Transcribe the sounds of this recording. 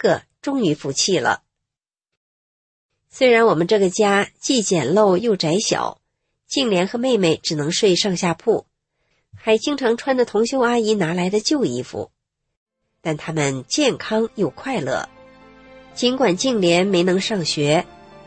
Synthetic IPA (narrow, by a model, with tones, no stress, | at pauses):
kə˥˧ | ʈ͡ʂʊ˥ŋy˧˥fu˧˥t͡ɕʰi˥˩lə̰˩ | swe˥ɪɻa˧˥nwɔ˨˩mə˦nʈ͡ʂɤ˥˩ɡə˩t͡ɕja˥t͡ɕi˥˩t͡ɕjɛ˨˩nlo˥˧ʊjo˥˩ʊʈ͡ʂa˧˥ɪɕjɑ̰˨˩˦ʊ | t͡ɕi˥˩ŋljɛ˧˥nxɤ˧˥me˥˧ɪme˥˩ɪʈ͡ʂɻ̩˨˩nɤ˧˥ŋʂwe˥˧ʂɑ˥˧ŋɕja˥˧pʰu˥˩ | xa˧˥ɪt͡ɕi˥ŋʈ͡ʂʰɑ˧˥ŋʈ͡ʂʰwa˥nd̪ə˨t̪ʰʊ˧˥ŋɕjo˥ʊa˥i˧˥na˧˥la˧˥ɪd̪ə˧t͡ɕjo˥˧ʊḭ˥˩fṵ˨˩˦ | t̪a˥˩nt̪ʰa˥mə˨nt͡ɕjɛ˥˩nkʰɑ˥ŋjo˥˩ʊkʰwa˥˧ɪlɤ̰˥˩ | t͡ɕi˧˥nkwa˨˩nt͡ɕi˥˩ŋljɛ˧˥nme˧˥ɪnɤ˧˥ŋʂɑ˥˩ŋɕɥɛ˧˥